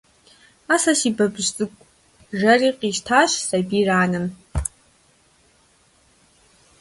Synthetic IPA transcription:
asaʃibabʒt͡sʼɨkʷʼ | ʒariqʼiʃtʰaʃsabiraːnɨn

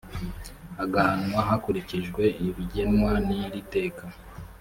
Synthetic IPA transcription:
aɡahanwaɦakuɾiciʒɡwe̞iβiɟenwaniɾite̞ːka

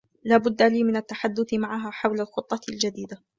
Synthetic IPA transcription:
laːbʊd̪ːaliːmɪnat̪ːaħad̪ːʊθɪmaʕaɦaːħawlalxʊt̪ˤːɑld͡ʒad̪iːd̪a

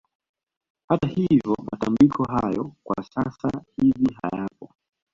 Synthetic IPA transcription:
hatahivjɔmatambikʰɔɦajɔkwa̰sasahiviɦa̰japɔ

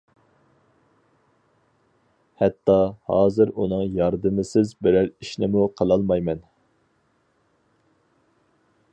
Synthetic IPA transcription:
hɛt̪ːɑhɑːzɨɾunɨŋjɑɾd̪ɨmɪsɪzbɪɾæɾiʃnɪmuqʰəlˠɑlˠmɑjmɛn

